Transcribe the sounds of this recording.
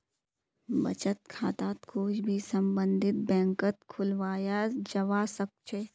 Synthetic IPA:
bɐt͡ʃət̪̚kʰaːt̪aːt̪kʰoːd͡ʒbʱisə̃mbə̃nd̪ʱɪt̪̚bɛ̃ːŋkət̪̚kʰʊlʋaːjad͡ʒɐʋaːsɐk̚t͡ʃʰe

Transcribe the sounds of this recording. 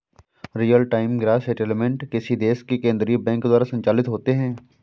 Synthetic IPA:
ɾijəlʈaːɪmɡɾaːseːʈelmẽɳʈkɪsid̪eːskikẽːnd̪ɾibɛ̃ːŋkːd̪aːɾasɐ̃nt͡ʃaːlɪt̪ɦoːt̪eɦɛ̃ː

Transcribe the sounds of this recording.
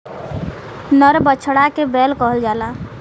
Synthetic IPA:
nəɾbət͡ʃʰɽakebɛlkəɦəld͡ʒala

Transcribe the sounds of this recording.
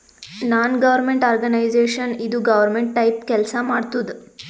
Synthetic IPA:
naːnɡɐʋɐɾmeɳʈaːɾɡɐnɐjd͡ʒeːʂɐnid̪uɡɐʋɐɾmeɳʈ̚ʈɐjpkɛlsɐmaːɖt̪ud̪u

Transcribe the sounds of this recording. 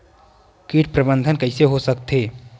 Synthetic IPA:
kiːʈ̚pɾəbənd̪ʱənkəɪseɦosək̚t̪eː

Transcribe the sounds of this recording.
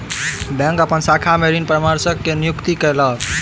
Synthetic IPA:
bɛ̃ŋkəpənsakʰameɾinpɾəmaɾsəkːenijukt̪ikəjlə

